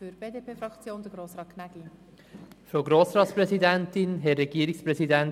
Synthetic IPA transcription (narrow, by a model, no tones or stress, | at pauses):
fyɾb̥eːdeːpʰeːfɾɑkt͡sjoːnd̥̪əɡɾoːsɾɑːtkʰnæɡli | fɾoɡɾoːsɾɑːt̪spɾɛsidɛntɪnɦɛːɛɡiːɾɪkspɾɛsidɛn